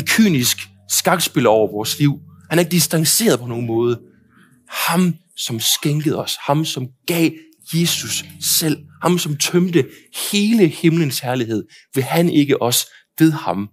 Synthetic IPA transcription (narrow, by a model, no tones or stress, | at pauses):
enkʰy̰ːnisɡ̥ | sɡ̥ɑ̈ɡ̥sb̥e̝lɒʊ̰ɐʋɒːsliʊ̰hænæɐe̝ɡ̥əd̥isd̥ɑ̈ŋse̝̰ːɐð̞ˠpʰɒ̽no̝ːn̩mɔ̽ːð̞ˠə | hɑ̈m | sɒ̽msɡ̥eŋɡ̥əð̩ˠɒ̽shɑ̈msɒ̽mɡ̥ɛ̰ː | je̝ːsussel̰hɑ̈msɒ̽mt͡sʰœmd̥əhe̝ːləhe̝mlənshæɐliɦe̝ð̞̰ˠ | ʋe̝hæne̝ɡ̥əʔɒ̽s | ʋe̝ðˠhɑ̈m